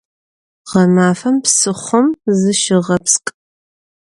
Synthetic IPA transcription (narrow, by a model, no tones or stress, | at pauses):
ʁɐmaːfɐmpsɨχʷʊmzɨʃɪʁɐpskʼ